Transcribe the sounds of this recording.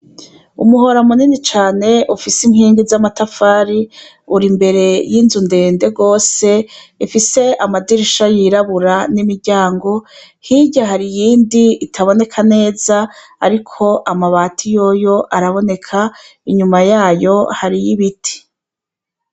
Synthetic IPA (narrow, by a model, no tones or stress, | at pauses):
ṵmuɦo̞ɾamuninit͡ʃaːne̞ʔufisimhiːŋɡizamatafaːɾi | uɾimbe̞ɾe̞jinzunde̞ːnde̞ɡo̞ːse̞ifise̞ʔamadiɾiʃajiɾaβuɾanimiɾɟaːŋɡo̞ | hiɟaɦaɾijiːndiːtʰaβo̞ne̞kʰane̞ːza̰ː | ɾikʰo̞ʔamaβaːtʰijo̞jo̞ʔaɾaβo̞ne̞kʰa | iɲumajaːjo̞haɾijiβitʰi̥